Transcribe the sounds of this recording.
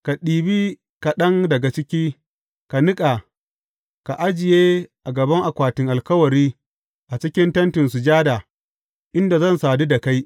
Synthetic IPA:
ka˨ɗiː˨biː˦ | ka˨ɗɐ˦ŋdɐ˨ɡa˨t͡ʃɪ˦kʲiː˦ | ka˨nɪ˦kʼa˨ | ka˨ʔa˦d͡ʒɪ˨jeː˦ʔa˨ɡɐ˨bɐ˦ŋʔa˨kʷaː˨tɪ˨ŋʔa˨lkɐ˦wɐ˨ɾiː˦ | ʔa˨t͡ʃɪ˦kʲɪ˦ntɐ˦ntɪ˨nsu˨d͡ʒaː˦daː˨ | ʔɪ˦nda˨zɐ˦˨nsaː˨du˦da˨ka˦j

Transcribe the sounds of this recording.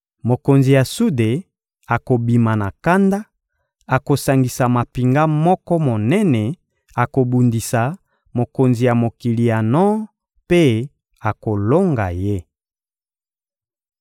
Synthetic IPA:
mo˨ko˨nzi˨ja˨su˦de˨ | a˨ko˨bi˨ma˨na˨ka˦nda˦ | a˨ko˨sa˨ŋɡi˨sa˨ma˨pi˨ŋɡa˦mɔ˦kɔ˦mo˨nɛ˦nɛ˨ | a˨ko˨bu˨ndi˨sa˨ | mo˨ko˨nzi˨ja˨mo˨ki˨li˨ja˨nɔ˦ | pe˦ | a˨ko˨lo˦ŋɡa˨je˦

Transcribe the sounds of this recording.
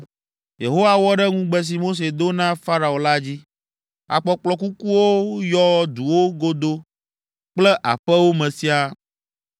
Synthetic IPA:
je˨ɦo˦wa˨wɔ˦ɖɛ˦ŋũ˦ɡ͡bɛ˦s̬i˨mo˦s̬e˨d̪o˦nã˦fa˦ɾa˨o˨la˦d͡ʑi˦ | a̰˨k͡pɔ˨k͡plɔ˨ku˦ku˦wo˦jɔ˦d̪u˨wo˦ɡo˦d̪o˦ | k͡plɛ˦ʔa̰˨ɸɛ˦wo˦mɛ̃˨si˦a˦

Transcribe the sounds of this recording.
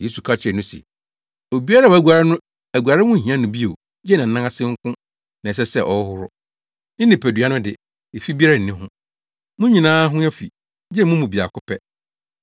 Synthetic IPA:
je˦su˨kʰa˦t͡ɕʰɪ˨ɛ˨nʊ̃˦sɛ̰˨ | o˨bi˦a˦ɾa˦˨wæ˨ɡʷa˨ɾɪ˦nʊ̃˦ | æ˨ɡʷu˨a˨ɾɪ˦wʊ̃˦˨ɦĩ˨˦ã˦nʊ̃˨bi˦o̰˨ | jɛ˦nã˨n̩˨nã˦a˦sɪ̃˦ŋ̩˦kʰʊ̃˦ | nã˨s̬ɛ˦sɛ̰˦˨ʔɔ˨˦hʊ˦ɾʊ˦ | n̩˦nɪ̃˨pʰæ˨dɥa˦nʊ̃˦dɪ̰˨ | e˨fi˦bi˦a˦ɾa˦˨n̩˨nɪ̃˦ɦʊ̃˦ | mʊ̃˦ɲĩ˨nãː˦ɦʊ̃˦a˦fi˨ | d͡ʑɛ˦mũ˦mũ˨bi˨a̰˨kʊ˦pʰɛ˦

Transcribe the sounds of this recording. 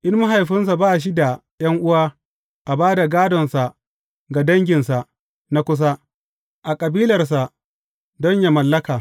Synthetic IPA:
ʔɪ˦nma˦ɦa˨jɸɪ˦ns̬a˨baː˦˨ʃ̬i˦da˨ | jɐ˦ŋʔʊ˦waː˦ | ʔa˨baː˦da˨ɡaː˦dɔ˨nsa˨ | ɡa˨dɐ˦ŋɡʲɪ˨nsa˨ʔ | na˦kʷʊ˦s̬a˦ | ʔa˨kʼɐ˨biː˦lɐ˨rs̬a˨ | dɔ˦ɲja˨mɐ˨lːɐ˦kaː˨

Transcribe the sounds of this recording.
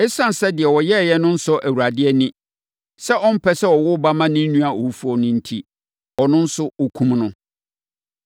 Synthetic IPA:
ɛ˦sã˦n˨sɛ˦dɪ˨ɛ˨wɔ˨jɛ˦˨jɛ˦nʊ̃˦n̩˦sʊ˦ʔæ˨wu˨ɾa˨dɪ˦ɛ˦nĩ˦ | sɛ˦ʔɔ˦m̩˦pʰɛ˦sɛ˦ɔ˨wʊ˦ba˦mã˦nɪ̃˦n̩ː˦ũ˦a˨ʔo˨wu˦fu˦ɔ˨nʊ̃˦n̩˦tʰi˦ | ɔ˨nʊ̃˦n̩˦sʊ˦o˦kʰũ˦mnʊ̃˦

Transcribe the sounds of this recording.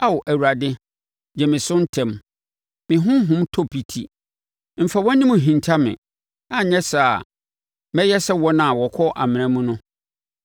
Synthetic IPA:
a˦wɔ˨ʔæ˨wu˨ɾa˨dɪ˦ | d͡ʑɛ˨mɪ̃˨sʊ̃˦n̩˦tʰɛ̃˨m | mɪ̃˨ɦʊ̃˦ɦʊ̃˦mtʰo˦pʰi˨tʰḭ˨ | m̩˨fa˨wɔ̃˦nĩ˦mũ˨ɦĩ˨ntʰa˦mɪ̰̃˨ | a˨ɲɛ̃˦sa˨ | mɛ̃˦jɛ˦sɛ˦wɔ˦nã˨wɔ˨kʰɔ˦ʔa˨mɪ̃˨ñã˦mũ˦nʊ̃˦

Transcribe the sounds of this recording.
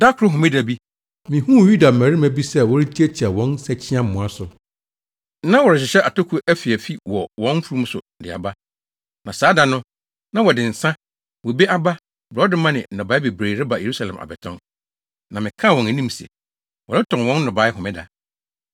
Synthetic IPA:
da˦kʰʊ˨ɾʊ˦ɦʊ̃˨mɪ̃˦da˨bi˦ | mĩ˨hũ˦˨ju˦da˨mæ̃˨ɾɪ˦mæ˨bi˦sɛ˦˨wɔ˦ɾi˦tʰi˦ɛ˦t͡ɕʰa˨wɔ̃˦nsɛ˦t͡ɕʰɪ̃˦ã˦m̩˨mːʊ̃˨a˦sʊ˨˦ | nã˦wɔ˨ɾɪ˨ɕ̬ɪ˨ɕɛ˦ʔa˨tʰo˦kʰu˨˦ʔæ˦fi˨æ˨fi˦wɔ˨wɔ̃˦n˦fu˦ɾu˦m̩̃˦sʊ̰˨dɪ˨a̰˨ba˦ | nã˨saː˨˦da˨nʊ̃˦ | nã˦wɔ˨dɪ̃˨n̩˨sã˦ | wɔ˨be˦ʔa˦ba˦ | bɾɔ˨˦dɪ˦mã˦nɪ̰̃˨nɔ̃˨ba˨˦ɪ˦be˨bɾeː˨ɾɪ˦ba˨je˨ɾu˦sa˨lɛ̰̃˨mʔa̰˨bɛ˨tʰɔ̰̃˦n | nã˨mɪ̃˨kʰã˦˨wɔ̃˨næ˨nĩ˦m˨sɛ̰˨ | wɔ˨ɾɪ˦tʰɔ̃˨n˨wɔ̃˦n̩˦nɔ̃˨ba˨˦ɪ˦ɦʊ̃˨mɪ̃˦da̰˨

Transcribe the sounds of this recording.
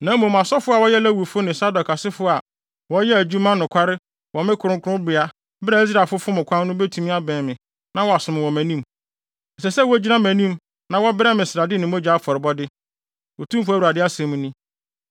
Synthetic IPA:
nã˨˦mũ˨m˨a˨sɔ˦fʊ˦a˨wɔ˦jɛ˦læ˦wu˨fʊ˦nɪ̃˨sa˦dɔ˨kʰa˨sɪ˦fʊ˦a˨ | wɔ˦jɛ˦æ˨d͡ʑᶣu˦mã˦nːʊ̃˨kʷʰa˦ɾɪ˦ | wɔ˨mɪ̃˦kʰʊ˨ɾʊ̃˦kʰʊ˦ɾʊ̃˦bɪ˨a˨ | bɪ˦ɾa˨i˦s̬ɾa˨lfʊ˦fʊ˦mʊ̃˨kʷʰã˦n˦nʊ̃˦bɛ˦tʰũ˦mĩ˦a˦bɛ̃ː˨mɪ̃˨ | nã˦wɔ˨a˨sʊ̃˨mɪ̃˨wɔ̃˨mæ̃˨nĩ˦m | ɛ˨sɛ˨sɛ˦wɔ˦d͡ʑi˦nã˦mæ̃˨nĩ˦m | nã˨wɔ˦bɛ˦mɪ̃˨sɪ˨ɾa˨dɪ˦nɪ̃˨mõ˦d͡ʑa˦fɔ˨ɾɪ˨bɔ˦dɪ˦ | wɔ˨tʰũ˦mfʊ˦æ˦wu˨ɾa˨dɪ˦a˦sɛ̃˨mũ˦nĩ˦

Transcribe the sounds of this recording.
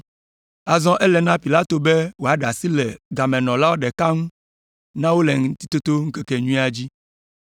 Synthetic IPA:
a˨zɔ̃˦ʔɛ˦lɛ˨nã˦pi˨la˦t̪o˨bɛ˦wo˨a˨ɖa˨si˦lɛ˨ɡa˨mɛ̃˨nɔ̃˨la˦wo˦ɖɛ˨ka˦ŋũ˦ | nã˦wo˦lɛ˨ŋ˦t̪i̥˦t̪o˦t̪o˦ŋ̩˦ke˦kɛ˨ɲũ˦i˦a˨d͡ʑi˦

